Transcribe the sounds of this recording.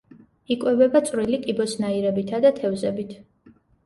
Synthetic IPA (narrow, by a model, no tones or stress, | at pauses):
ikʼwɛvɛbat̪sʼɾilikʼibɔsnaiɾɛbit̪ʰad̪at̪ʰɛvzɛbit̪ʰ